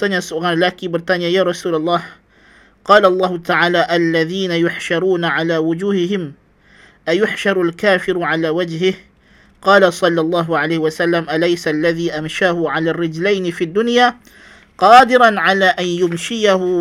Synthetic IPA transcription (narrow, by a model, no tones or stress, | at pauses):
t̪aːnjasʊɣanlaːkiːbɪɾt̪aːnɪjajaːɾˤɑsuːlɑlˤːaɑːh | qɑːlʔɑlˤːɑːhʊt̪aʕaːlaːʔalːaðiːnajʊħʃɑɾˤuːnaʕalaːwʊd͡ʒuːhɪhɪm | ʔajʊħʃɑɾˤalkaːfɪɾʕalaːwad͡ʒhɪh | qɑːlasˤɑlːɑlˤːɑːɦʊʕalajhɪwasalːamʔalajsalːaðiːʔamʃaːhʊʕalaːrːɪd͡ʒlajnɪfiːd̪ːʊnjaː | qɑːd̪ɪɾanʕalaːʔanjʊmʃɪjahʊ